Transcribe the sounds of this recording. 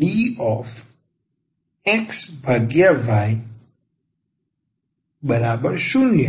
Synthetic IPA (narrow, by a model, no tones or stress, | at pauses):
ɖiɔf | eksbʱəɡjaʋaj | bəɾabəɾʃunjə